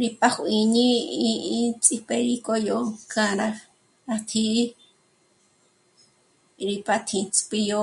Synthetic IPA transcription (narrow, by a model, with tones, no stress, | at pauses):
ɾi˧pa˦xʷʔi˧ɲĩ˦i˧ĩ˦t͡sʼi˧pe˧ɾi˧ko˧jo˨kã˧ɾa˧ | a˧t̪ʰi˧˦ | ɾi˧pa˧t̪ʰĩ˧t͡spi˧jo˧˦